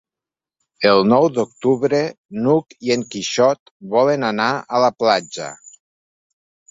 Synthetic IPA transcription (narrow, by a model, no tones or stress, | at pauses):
elˠnɔwd̪ok̚t̪uβɾe | nukieŋkiʃɔt̪ | βɔlənanaələplad͡ʒə̰